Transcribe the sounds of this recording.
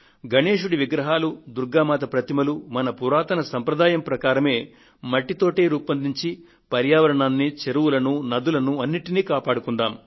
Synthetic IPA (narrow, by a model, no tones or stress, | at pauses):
ɡɐɳeːʂuɽiʋiɡɾɐɦaːlud̪uɾɡaːmaːt̪ɐpɾɐt̪imɐlumɐnɐpuɾaːt̪ɐnɐsɐmpɾɐd̪aːjɐmpɾɐkaːɾɐme̞ː | mɐʈːit̪o̞ːʈeːɾuːpɐnd̪iɲt͡ʃi | pɐɾjaːʋɐɾɐɳaːnːit͡ʃeɾuwulɐnunɐd̪ulɐnuɐnːiʈiniːkaːpaːɽukuɳɖaːm